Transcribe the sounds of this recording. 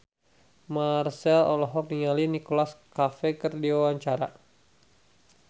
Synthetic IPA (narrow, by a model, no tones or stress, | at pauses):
marsɛlɔlɔɦɔk̚niŋalinikolaskafɛkərdiawaɲt͡ʃaɾa